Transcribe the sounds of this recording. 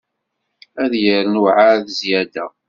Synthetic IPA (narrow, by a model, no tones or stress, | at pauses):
æðjəɾənuʕaðəzjæd̪æ